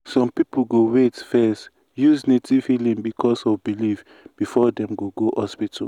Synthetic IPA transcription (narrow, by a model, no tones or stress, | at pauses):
sɔ̃mpipl̩ɡowetfɛst | juznetʰivhilĩŋbikʰɔsɔvbiliv | b̥ifɔdɛ̃mɡoɡohɔspitʰa̰